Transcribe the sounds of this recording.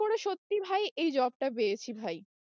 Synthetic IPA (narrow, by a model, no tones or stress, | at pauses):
oɽeʃot̪ːibʱajʔejd͡ʑɔb̚ʈapejet͡ɕʰibʱaj